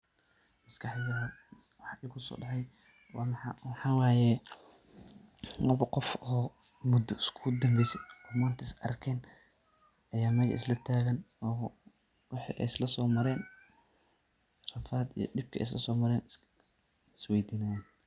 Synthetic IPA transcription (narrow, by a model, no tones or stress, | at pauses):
mɐskʰɑħðɐɐ | wɑħɪkʰʊsɔ̰ːɖɑħɑj | wɑmɑ̰wɑħɑːwɑːjɛ | lɐβɐqɔfɔː | mʊd̪ɐɪskʰʊd̪ɐmbɛjsɛɔːmaːnt̪ʰɐɪsɐ̰rkʰɛːn | ɐjaːmɐɣɐ̰ʔɪ̰slɐt̪ʰaːɣɐnɔː | wɑħḭʔɛ̰jslɐsɔːmɐɾɛːn | rɐfaːd̪ḭjɞ̰dɪb̚kʰɐʔɛ̰jslɐsɔːmɐɾɛːn | swɛjd̪iːnaːjaːn